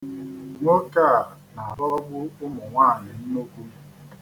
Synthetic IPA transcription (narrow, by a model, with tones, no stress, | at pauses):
wɔ˦ka˦˨ | na˨a˨bɔ˦ɾɔ˦bʊ˦ʊ˦mʊ˨ŋʷaː˦˨ɲɪ˨n̩˦no˦kʷu˦